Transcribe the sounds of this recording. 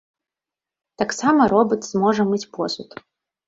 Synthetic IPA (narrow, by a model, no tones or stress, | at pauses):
t̪aksamɐɾɔbɨt̪z̥mɔʐɐmɨt͡sʲpɔsut̪